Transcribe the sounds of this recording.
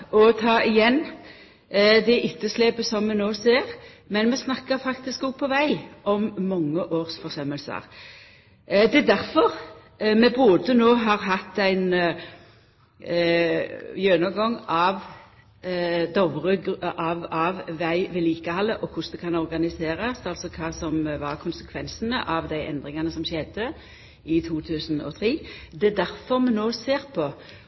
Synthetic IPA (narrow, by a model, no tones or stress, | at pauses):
ɔt̪ʰɑːʔɪjɛnː | d̪ɛʔʏt̪ːəsleːpəsɔmːɛnoːseːʁmɛnmɛsnɑkːəɾfɑkt̪ɪskʊpʰːɔʋæɪʔɔmːɔŋːəʔoːʁsfɔʁsœməlsə̰ʁ | d̪ɛd̪æɾfɔʁ | mɛboːd̪ənoːɦɑːʁɦɑt̪ːæɪn | jøːnɔɡɔŋɑʋ | d̪ɑʊʋəʁəɡʔɑʋɑʋːæɪʋɪliːkəhɑlːəʔɔkʰʊsd̪ɛkʰɑnɔɾɡɑnɪseːɾɑsɑlsɔkʰɑːsɔmʋɑɾkʰʊnsə̥kʰʋɛnsənəʔɑʋd̪æɪʔɛ̰nd̪ʁɪŋɑnəsɔmɕɛd̪ə | ɪt̪ʰuːt̪ʰʉːsn̩ɔ̰t̪ʰʁiːd̪ɛd̪æɾfɔʁmɛnoːseːʁpʰɔ